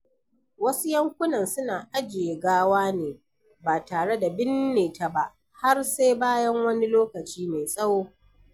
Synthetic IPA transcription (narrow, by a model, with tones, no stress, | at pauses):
wɐ˦su˦jɐ˦ŋkʷʊ˦nɐ˨nsʊ˦naː˨ʔa˦d͡ʒɪ˨je˨ɡaː˦waː˦neː˨ | baː˨taː˨ɽe˦da˨bɪ˦nːeː˨ta˨ba˦ʔ | ha˦rse˦baː˦jɐ˦ŋwɐ˦ni˦loː˦kɐ˨t͡ʃiː˦me˨sʼɐ˦woː˦